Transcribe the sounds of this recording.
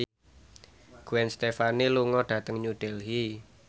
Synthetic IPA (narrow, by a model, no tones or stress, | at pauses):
ɡ̥uwɛnst̪efaniluŋɔɖ̥ä̤t̪əŋɲuɖ̥ɛlɦi